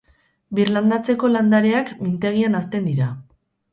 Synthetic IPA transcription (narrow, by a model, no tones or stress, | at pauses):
biɾland̪at͡se̞ko̞land̪aɾe̞akmint̪e̞ɣ̞ianast̪e̞nd̪iɾa